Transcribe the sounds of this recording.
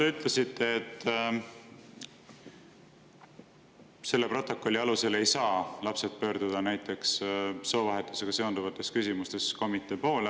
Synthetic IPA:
t̪e̞yt̪ˑle̞sit̪ːe̞ːt̪ˑː | se̞lːe̞pro̞t̪ːˑo̞kːˑo̞lʲːiɑluse̞le̞jsɑːlɑpse̞t̪̚pø̞ːɾd̪̥ud̪̥ɑnæjt̪ːˑe̞ksso̞ːvɑɦe̞t̪ːˑuse̞ɡ̥ɑse̞ond̪uvɑt̪ːˑe̞skysʲimust̪e̞sko̞mit̪ˑːe̞ːpo̞ːl

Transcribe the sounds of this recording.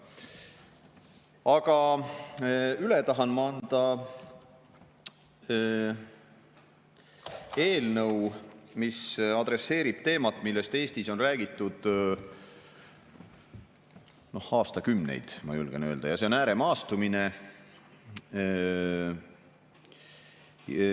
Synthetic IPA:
ɑɡɑ | ylet̪ɑɦɑnmɑɑnd̪̥ɑ | e̞ːlnɤwmisɑd̪re̞sːe̞ːɾib̥̚t̪e̞ːmɑt̪ːˑmilːe̞st̪e̞ːsʲt̪iso̞nræːɡ̥it̪ːˑud̪̥ | no̞hɑːst̪ɑkymnḛjd̪̥mɑ̰julɡ̥enøːld̪ɑjɑse̞o̞næːɾe̞mɑːst̪umine̞

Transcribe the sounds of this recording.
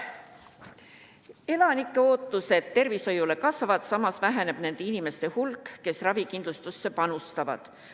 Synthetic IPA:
e̞lɑnikˑːeo̞ːt̪ːˑuse̞t̪t̪ːe̞rviso̞jule̞kɑsvɑvɑd̪̥sɑmɑsvæɦene̞b̥ne̞nd̪̥e̞inime̞st̪e̞hulkːe̞srɑvikind̪lust̪usːe̞pɑnust̪ɑvɑ̰d̪̥

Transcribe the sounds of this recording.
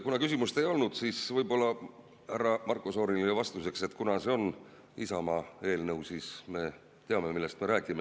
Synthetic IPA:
kunɑkys̬ʲimust̪e̞jo̞lnud̪̥siːsvɤjbo̞lːɑ | hærːɑmɑrkːˑoso̞ːnilievɑst̪use̞kse̞t̪ːˑkunɑse̞o̞n | isɑmɑe̞ːlnɤwsiːsme̞ | t̪e̞ɑme̞milːest̪me̞ɾæːkime̞

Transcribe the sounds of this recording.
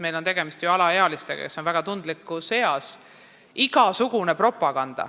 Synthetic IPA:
mejlo̞nt̪e̞ɡe̞mist̪juɑlɑeɑlist̪e̞ɡ̥ɑ̰ke̞sːonvæɡ̥ɑt̪und̪̥likːˑuse̞ɑs | iɡɑsuɡ̥une̞pro̞pːˑɑɡ̥ɑnd̪̥ɑ̰

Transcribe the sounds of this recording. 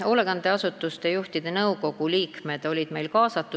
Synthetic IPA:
o̞le̞ɡ̥ɑnd̪e̞ɑsut̪ːˑust̪ejuht̪id̪̥e̞nɤwko̞ɡ̥uliːkme̞d̪̥o̞lʲid̪̥me̞jlkɑːsɑt̪ːˑu

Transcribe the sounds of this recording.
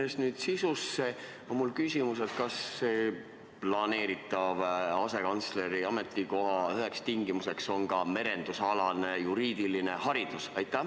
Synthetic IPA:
esnyːd̪̥sisusːe | omulkysʲimus̬et̪kɑsːeː | plɑne̞ːɾit̪ːˑɑvɑse̞kɑnt̪sle̞ɾiɑme̞t̪ːˑiko̞ɦɑyɦekst̪iŋɡimuse̞kso̞nkɑme̞ɾe̞nd̪̥usɑlɑne̞juɾiːd̪̥iline̞hɑɾid̪̥usɑjt̪ːˑæ

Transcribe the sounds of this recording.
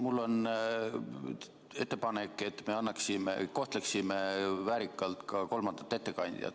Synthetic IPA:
mulːo̞n | e̞t̪ːe̞pɑnekːˑe̞t̪ːme̞ɑnːɑksimḛko̞ht̪le̞ksimevæːɾikːˑɑlt̪kɑko̞lmɑnd̪̥ɑ̥t̪ːˑe̞t̪ːe̞kɑnʲd̪̥ʲḭɑ̰t̪ːˑ

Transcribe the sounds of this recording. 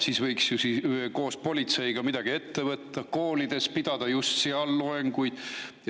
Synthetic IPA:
siːsvɤjksjusiko̞ːspo̞lʲit̪se̞jɡ̥ɑmid̪̥ɑɡ̥ie̞t̪ːe̞vɤt̪ːɑko̞ːlid̪̥e̞spid̪̥ɑd̪ɑjust̪siɑlːoeŋɡujd̪̥

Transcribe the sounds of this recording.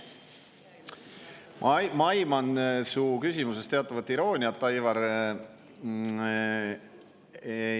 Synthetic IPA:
mɑjmɑnsuːkysimuse̞st̪e̞ɑt̪ːˑɑvɑt̪ːˑiɾo̞ːnʲiɑt̪ːɑjvɑɾ

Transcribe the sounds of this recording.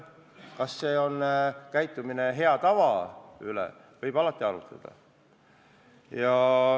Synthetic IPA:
kɑsːe̞ːo̞nːkæjt̪ˑːumine̞ɦe̞ɑt̪ɑvɑylḛ | vɤjb̥ɑlɑt̪ːˑiɑlut̪ˑɑ̰d̪̥ɑ̰ | jɑ

